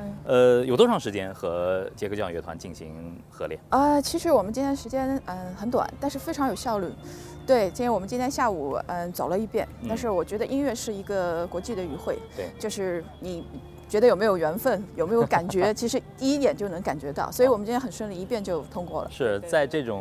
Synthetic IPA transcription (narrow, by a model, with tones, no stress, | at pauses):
ə˧jʊt̪wɔ˥ʂʰɑ˥˩ŋʂɻ̩˧˥t͡ɕjɛ̰˥nxɤ̰˧˥t͡ɕjko˥˩t͡ɕjɑ̰˥˧ŋɥɛ˧˥t̪ʰwa̰˧˦nt͡ɕi˥˩nɕḭ˧˥ŋ | xɤ̰˧˥ljɛ̰˥˩ə˧t͡ɕʰi˧˥ʂɻ̩˧˥wɔ˨˩mə˦nt͡ɕi˥nt̪ʰɛ˥əʂɻt͡ɕjɛ˥nə˧xə˧˥nt̪wa̰˨˩˦nt̪a˥˧nʂɻ̩˥˩fe˥ɪʈ͡ʂʰɑ˧˥ŋjo˨˩ʊɕjɑ˥˧ʊly˥˩ | t̪we˥˩ɪt͡ɕi˥˧t̪jwɔ˨˩mə˦t͡ɕi˥t̪ʰjɛ˥nɕja˥˩u˨˩ə˧t͡sɑ˨˩ʊlə˦i˥˧pjɛ˥˩nt̪a˥˧nʂ̬ɻ̩˥˩wɔ˨˩t͡ɕɥɛ˧˥d̪ə˧ʔi˥nɥɛ˥˧ʂɻ̩˥˩i˧˥ɡə˧kwɔ˧˥t͡ɕi˥˩d̪ə˩y˧˥xwe˥˩ɪ˧˩t͡ɕjo˥˧ʂɻ̩˥˩ | ni˨˩ | t͡ɕɥɛ˧˥d̪ə˧jme˧˥ɪjo˨˩ʊɥɛ˧˥nfə˥˩njo˨˩ʊme˧˥ɪjo˥ʊka˨˩nt͡ɕɥɛ˧˥t͡ɕʰi˧˥ʂɻ̩˧˥t̪i˥˧i˥t̪jɛ˨˩nt͡ɕjo˥˩ʊnɤ˧˥ŋka˨˩nt͡ɕɥɛ˧˥t̪ɑ˥˩ʊswɔ˧˥i˧˥wɔ˨˩mə˦t͡ɕi˥nʰɛ˥xə˨˩nʂə˥nli˥˩i˧˥pjɛ˥˧nt͡ɕjo˥˩ʊt̪ʰʊ˥ŋkwɔ˥˩lə̰˩ʂɻ̩˥˩t͡sa˥˧ɪʈ͡ʂɤ˥˩ʈ͡ʂʊ˨˩ŋ